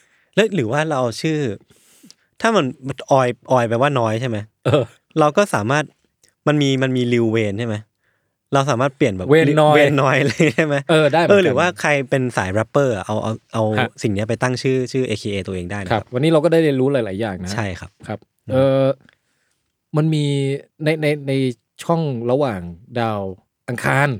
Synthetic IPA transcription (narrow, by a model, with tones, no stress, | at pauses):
lɛ˦˥ɾɯː˩˦waː˥˩ɾa˧wʔa˧wt͡ɕʰɯː˥˩ | t̪ʰaː˥˩ma˧nʔɔː˨˩jʔɔː˨˩jpa˧˨˩waː˥˩nɔː˦˥jt͡ɕʰa˥˩jma˦˥jʔɤː˧ | ɾa˧wkɔː˥˩saː˩˦maː˥˩t̪̚ | ma˧nmiː˧ma˧nmiː˧li˧wːeː˧nt͡ɕʰa˥˩jma˦˥j | ɾa˧ws̬aː˨˩˦maː˥˩t̪̚pli˨˩ənbɛː˨˩weː˧nɔː˦˥weː˧nːɔː˦˥jlŋ˦˥t͡ɕa˥˩jma˦˥jʔɤː˧daː˥˩jʔɤː˧ɾɯː˨˩˦waː˥˩kʰa˧jpe˧nsaː˩˦jbɾa˦˥pːɤː˥˩ʔa̰˨˩ʔa˧wʔa̰˧wʔa˧wsi˨˩ŋni˦˥ɐ˩p̬a˧jt̪a˥˩ŋt͡ɕʰɯː˥˩t͡ɕʰɯː˥˩ʔeː˧kʰiː˧ʔeː˧t̪u˧ʔeː˧ŋdaː˥˩na˨˥a˦˥ap̚wa˧nːiː˦˥ɾa˧kɔː˥˩daː˥˩jɾi˧ɾuː˦˥laː˩˦jlaː˨˩˦jːaː˨˩ŋna˦t͡ɕʰa˥˩jkʰa˦˥p̚kʰa˦˥p̚ | ʔɤː˧˩ | ma˧nmiː˧na˧jna˧jna˧j | t͡ɕʰɔ˥˩ŋɾa˧waː˨˩ŋdaː˧w | ʔa˧ŋkʰaː˧n